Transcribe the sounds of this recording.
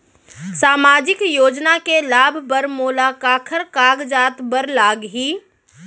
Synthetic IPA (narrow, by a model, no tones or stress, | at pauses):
saːmaːd͡ʒɪkjoːd͡ʒnakelaːbʱbəɾmoːlaːkaːkʰəɾkaːɡd͡ʒaːt̪bəɾlaːɡɦiː